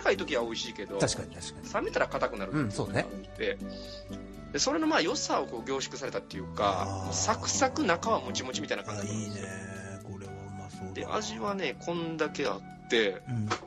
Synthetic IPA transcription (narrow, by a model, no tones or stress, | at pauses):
kait̪o̞kʲiβao̞iɕiːke̞d̪o̞t̪ḁkaɲaɕasame̞t̪aɾakat̪akɯ̟naɾɯso̰t̪e̞ | d̪̥e̞so̞ɾe̞no̞maːjo̞sao̞ko̞ːɡʲo̞ːɕi̥kɯ̟saɾe̞t̪at̪ːe̞jɯ̟ka̰osakɯ̟̥sakɯ̟nakaβamot͡ɕimo̞t͡ɕimʲit̪ainakãɲɲd͡ʑi | ɾ | d̪e̞̰ʔa̰ʑiβane̞kʰõ̞nd̪ake̞a̰t̪ːe̞